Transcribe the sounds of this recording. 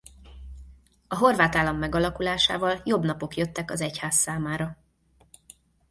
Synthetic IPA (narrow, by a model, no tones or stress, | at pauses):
ɒɦo̞rvaːt̪aːlːɒmːɛɡɒlɒkulaːʃa̰ːvɒljo̞bnɒpo̞kjøt̪ːɛkɒzɛchaːsːaːmaːɾɒ